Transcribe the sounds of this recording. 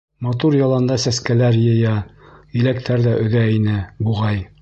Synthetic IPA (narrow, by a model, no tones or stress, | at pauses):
mɑt̪uɾjɑlˠɑnd̪ɑsæskælæɾjɤ̆jæilæk̚t̪ʰæɾðæʔɵ̆ðæinɘbuʁɑj